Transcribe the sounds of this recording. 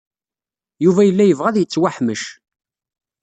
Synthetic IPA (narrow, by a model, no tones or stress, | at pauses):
juvæjəlːæjəvʁæðjət͡sːwæħməʃ